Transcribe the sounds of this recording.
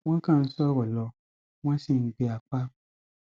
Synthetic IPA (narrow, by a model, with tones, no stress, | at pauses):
w̃ɔ̃˦kã˦˨n̩˦sɔ˦ɾɔ˨lɔ˧ | w̃ɔ̃˦sĩ˦˨n̩˨˦ɡ͡be˧a˨k͡pa˦